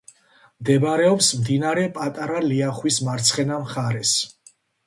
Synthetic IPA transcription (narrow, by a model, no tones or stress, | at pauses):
md̪ɛbɾɛɔpsmd̪inaɾɛpʼat̪ʼaɾaliaχwismaɾt̪sʰχɛnamχaɾɛs